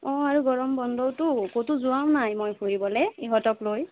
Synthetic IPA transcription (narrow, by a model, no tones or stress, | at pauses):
ɔ̃aɹuɡɔɹɔmbɔndɔwtʊkotuzuwamnajmojhuɹibɔlɛiɦɔtɔkloj